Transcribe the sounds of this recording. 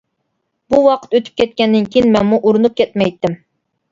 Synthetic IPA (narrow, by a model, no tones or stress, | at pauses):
buwɑqʰə̥t̪øt̪ʰy̥p̚kʲʰɛt̪̚kʲɛnd̪ɪnkʲʰijinmɛnmuʔuɾɨnup̚kʲʰɛt̪mɛjt̪ʰːɪm